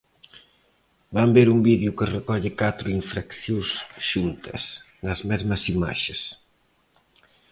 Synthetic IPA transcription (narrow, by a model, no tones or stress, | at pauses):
bambeɾumbiðjʊkɪrekɔʎɪkat̪ɾʊiɱfɾakθjosʃunt̪ʰɐ̰s | nɐzmɛzmɐsima̰ʃɪs